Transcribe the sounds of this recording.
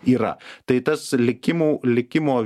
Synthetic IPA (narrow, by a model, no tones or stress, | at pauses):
iːɾɐ̰t̪ɐɪt̪ɐslʲɪkʲɪmuːlʲɪkʲɪmoː